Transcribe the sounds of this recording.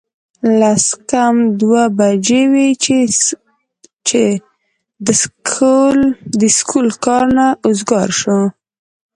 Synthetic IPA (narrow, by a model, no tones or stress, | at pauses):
laskamd̪wabad͡ʒewe | t͡ʃe | d̪əskʰuld̪əskʰulkɑɾnaʊzɡɑɾʃo